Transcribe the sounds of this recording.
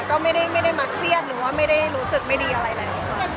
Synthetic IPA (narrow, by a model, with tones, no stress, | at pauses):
kɔː˥˩ma˥˩jda˥˩jma˥˩jda˥˩jma˧kʰli˥˩ət̪̚ɾɯː˩˦waː˥˩ma˥˩jda˥˩jɾuː˦˥sɯ˨˩k̚ma˥˩jdiː˧ʔa˧ɾa˧jlaː˧˩laː˧˩˧ka˧˩